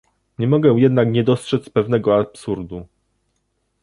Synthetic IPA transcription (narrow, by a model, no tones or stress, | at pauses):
ɲɛmɔɡɛ̃jɛd̪nakɲɛd̪ɔstʂɛt̪spɛvn̪ɛɡɔapsuɾd̪u